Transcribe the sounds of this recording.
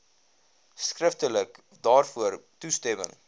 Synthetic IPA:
skrəftələk | dɑːrfuərtustɛmə̰ŋ

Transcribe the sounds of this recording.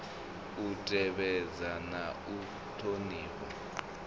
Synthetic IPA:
utʼɛɓɛd͡zanau | tʰoniːkɔ̰

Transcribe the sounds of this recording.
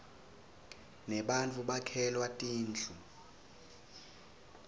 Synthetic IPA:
nɛɓant͡fʼuɓakʰɛlwatʼiːnd͡ɮʰʱu

